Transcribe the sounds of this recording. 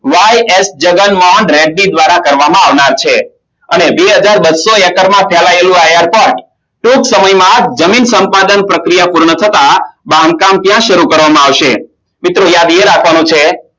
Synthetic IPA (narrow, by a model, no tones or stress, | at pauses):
ʋajesd͡ʒəɡənmɔɳɖɾɛɖnid̪ʋaɾakəɾʋamãaʋnaɾt͡ʃʰe | ənebeɦəd͡ʒaɾbət̪soɛkəɾmãpʰɛlaelũajaɾpɔɾʈ | ʈuksəməjmãd͡ʒəminsəmpad̪ənpɾəkɾijapuɾɳət̪ʰət̪abamkamt̪jãʃəɾukəɾʋamãaʋʃe | mɪt̪ɾojad̪eɾakʰʋanũt͡ʃʰe